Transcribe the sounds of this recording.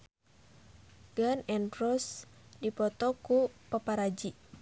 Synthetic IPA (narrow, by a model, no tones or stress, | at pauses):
ɡ̥anɛnrɔsdipɔt̪ɔkupəpaɾad͡ʒi